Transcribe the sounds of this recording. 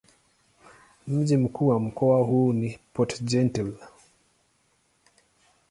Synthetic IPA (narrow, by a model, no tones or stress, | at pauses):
m̩ʄim̩kʰuːwam̩kɔaɦuːnipɔtd͡ʒɛntil